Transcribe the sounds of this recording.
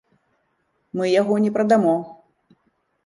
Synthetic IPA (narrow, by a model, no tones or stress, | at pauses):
mɨjaɣɔnʲɛpɾɐd̪amɔx